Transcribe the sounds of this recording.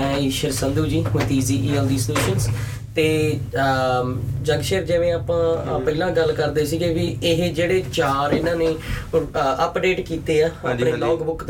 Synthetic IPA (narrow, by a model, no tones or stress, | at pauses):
ɛ̃ːʃəɾsənd̪uːd͡ʒiːt̪iːziːʔiːɛːld̪iːsleːʃəns | t̪eː | d͡ʒəŋɡʃeːɾd͡ʒɪʋẽːaːpãːpəilãːɡəlkəɾd̪eːsiɡebɪɪɦd͡ʒeːɽeːt͡ʃaːɾɪnãːneː | əpɖeːʈkiːt̪eːaːəneːlɔːɡbʊk̪